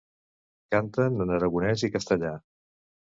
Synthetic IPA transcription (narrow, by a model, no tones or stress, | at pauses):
kant̪ənənəɾəɣunɛzikəst̪əʎa